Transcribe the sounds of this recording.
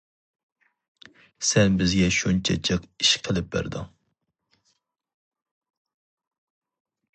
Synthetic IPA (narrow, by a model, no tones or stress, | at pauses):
sɛnbɪzɡʲɛʃunt͡ʃʰɛt͡ʃʰəqiʃqʰəlˠɪp̚bæ̰ɾd̪ɑŋ